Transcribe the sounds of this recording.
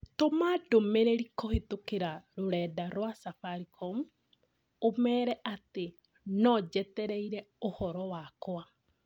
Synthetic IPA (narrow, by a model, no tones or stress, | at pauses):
tomadomeɾeɾikohetokeɾaɾoɾɛːdaɾowasafaɾikʰɔm | omɛːɾɛʔate | nɔd͡ʒɛtɛɾɛiɾɛ | ohɔɾɔwakoa